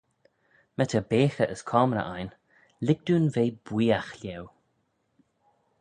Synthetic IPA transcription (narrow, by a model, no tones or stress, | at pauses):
mɛt̪ʰəbeːxəʔəskʰɔːmɾə̰ʔajn | lɪɡ̚d̪uːnveːbwiːaxlʲew